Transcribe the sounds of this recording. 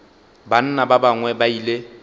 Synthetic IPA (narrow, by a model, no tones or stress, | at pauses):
ban̩nababaŋwɛbaile